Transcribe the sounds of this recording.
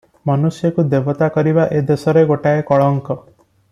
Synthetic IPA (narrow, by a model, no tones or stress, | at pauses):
manusjɔkud̪ebɔt̪akɔɾibaʔed̪esɔɾeɡoʈaekɔɭɔŋkɔ